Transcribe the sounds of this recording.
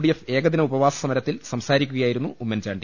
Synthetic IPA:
ɽijefe̞ːɡɐðinɐubɐʋaːsɐ̥sɐmɐɾɐt̪ːilsɐmsaːɾikʲːuɣɐjaːjiɾunːuumːɐnd͡ʑaːɳɖi

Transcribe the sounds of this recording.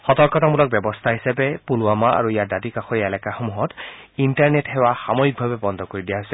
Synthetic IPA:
xɔtɔɹkɔtamulɔk̚bjɛbɔst̪ʰaɦisapɛpulʊamaa̰ɹuijadadikaxɔɹiɛlɛkaxomuɦɔtintaɹnethɛwaxamojik̚bʱabɛbɔnd̪ʱɔkoɹidijaɦosɛ

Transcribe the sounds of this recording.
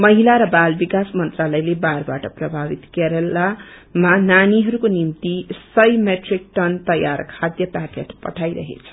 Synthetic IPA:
mʌɦilaɾʌbalbikasmʌnt̪ralʌjlebarbaʈʌprʌbʱabit̪keɾʌlːamananiɦʌɾukonimt̪isʌjmeʈrik̚ʈʌnt̪ʌjarkʰad̪jʌt̪akeʈpʌ̰ʈʰajɾʌɦḛt͡sʰʌ̥

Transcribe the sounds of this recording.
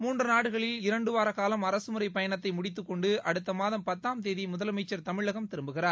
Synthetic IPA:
muːndrɯnaːɽɯɣɐɭɪlɪɾɐɳɖɯʋaːɾɐkaːlɐmɐɾɐsɯmɯɾɐɪpɐjɐnɐt̪ːɐɪmʊɽɪt̪̬ːɯkːɔɳɖɯɐɽɯt̪ːɐmaːðɐmpɐt̪ːaːmt̪̬eːðimʊðɐlɐmɐɪt͡ʃːɐɾt̪ɐmɪɭːɐɣɐmt̪ɪɾɯmbɯɣɪraːɾ

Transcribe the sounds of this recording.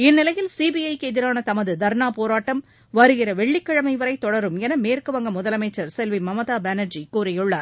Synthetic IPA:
ɪnːɪlɐjɪlsiːbiɐɪkɛðɪɾaːnɐt̪ɐmɐðɯd̪ɐɾnaːpoːɾaːʈːɐm | ʋɐɾɯɣɪrɐʋɛɭːɪkːɐɻɐmɐɪʋɐɾɐɪt̪ːɔɽɐɾɯmɛnɐmeːɾkɯʋɐŋɡɐmʊðɐlɐmɐɪt͡ʃːɐɾsɛlʋimɐmɐðaːbɛːnɐɾd͡ʒikuːɾɐjɯɭːaːɾ

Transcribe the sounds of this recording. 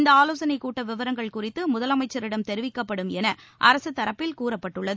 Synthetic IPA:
nd̪ɐaːloːsɐnɐɪkːuːʈːɐʋɪʋɐɾɐŋɡɐɭkʊrɪt̪ːɯmʊðɐlɐmɐɪt͡ʃːɐɾɪɽɐmt̪ɛɾɯʋɪkːɐpːɐɽɯmɛnɐ | ʔɐɾɐsɯt̪ːɐɾɐpːɪlkuːrɐpːɐʈːɯɭːɐðɯ

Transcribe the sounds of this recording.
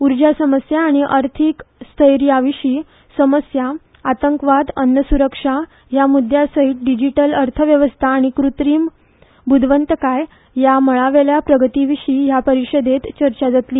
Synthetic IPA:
uɾd͡ʑasəməsjaːɽ̃iʔəɾt̪ʰikst̪ʰəjɾjaʋiɕiː | səməsjaː | t̪əŋkʋad̪ənːəsuɾəkʂa | jamud̪ʱjasəɦiːʈ̚ɖid͡ʑiʈələɾt̪ʰəʋjəʋəst̪ʰaːɽ̃ikɾut̪ɾiːm | bud̪ʱʋənt̪əkaj | jaməɭaʋeljapɾəɡət̪iʋiɕiːjapəɾiʂəd̪et̪t͡ɕəɾt͡ɕad͡zat̪liː

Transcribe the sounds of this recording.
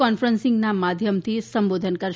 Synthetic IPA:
ɔnfɾənsĩŋɡnamad̪ʱjəmt̪ʰisəmbod̪ʱənkəɾ

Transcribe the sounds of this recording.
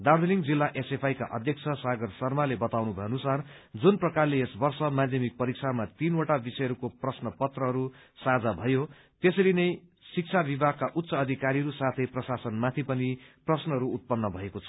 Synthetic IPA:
d̪awd̪eliŋd͡zilːaʔesepʰajka̰ʔʌd̪ʱjʌk̚t͡sʰʌsaɡʌrsʌrmalebʌt̪awnubʱʌjenusard͡zunprʌkarleesbʌrsʌmad̪ʱjʌmik̚pʌɾiksʰamat̪inoʈabisʌjʌɾukoprʌsnʌpʌt̪rʌɦʌɾu | sad͡zabʱʌjo | t̪esʌɾinʌjsik̚t͡sʰabibaɡ̚kaʔut̪ːsʌːd̪ʱikaɾiɾusat̪ʰʌjprʌsasʌnmat̪ʰipʌniprʌsnʌɦʌɾuːt̪̚pʌnːʌbʱʌekot͡sʰʌ̥

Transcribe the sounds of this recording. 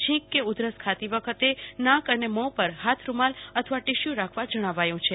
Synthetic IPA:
t͡ʃʰĩkːeud̪ɾəskʰat̪iʋəkʰət̪enãkənemɔpəɾɦat̪ʰɾumalət̪ʰəʋaʈɪʃjũɾakʰʋad͡ʒəɽ̃aʋajũt͡ʃʰe

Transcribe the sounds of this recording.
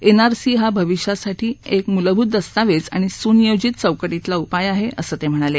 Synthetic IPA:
enaɾsiːɦabʱəʋiʂjasaʈʰiːekmuləbʱut̪̚d̪əst̪aʋet͡sa̰ɽ̃isunijod͡ʑit̪̚t͡səwkəʈit̪laupajaɦeʔəsəːt̪em̤əɽ̃ale

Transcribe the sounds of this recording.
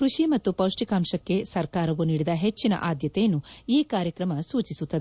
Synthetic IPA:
kɾuʂimɐt̪ːupɐwʂʈikaːmʃɐkːe̞sɐɾkaːɾɐʋuniːɽid̪ɐɦet͡ʃːinɐ̰ʔaːd̪jɐt̪ejɐnːuiːkaːɾjɐkɾɐmɐsuːt͡ʃisut̪ːɐd̪e

